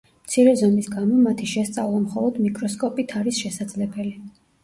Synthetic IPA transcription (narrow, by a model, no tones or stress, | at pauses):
mt̪sʰiɾɛzɔmisɡamɔmat̪ʰiʃɛst̪sʼavlˠamχɔlˠɔd̪mikʼɾɔskʼɔpʼit̪ʰaɾisʃɛsad̪zlɛbɛli